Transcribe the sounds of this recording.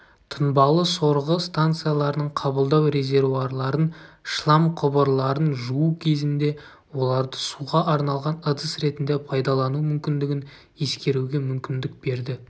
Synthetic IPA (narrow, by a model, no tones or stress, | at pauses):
t̪ʰənbɑlˠəso̞ɾʁəst̪ant̪sɨjalˠɑɾənəɴqʰɑbəlˠd̪ɑwɾe̞ze̞ɾvuɑɾlˠɑɾənʃlˠɑmqʰʊbəɾlˠɑɾənʒuukʲʰe̞zɪnd̪e̞ | wo̞lˠɑɾd̪əsuʁɑʔɑɾnɑlˠʁɑnəd̪əsɾe̞t̪ɪnd̪e̞pʰɑjd̪ɑlˠɑnumʏmkʲɪnd̪ɪɡʲɪn | e̞skʲe̞ɾuɡʲe̞mʏmkʲɪnd̪ɪk̚be̞ɾd̪ɪ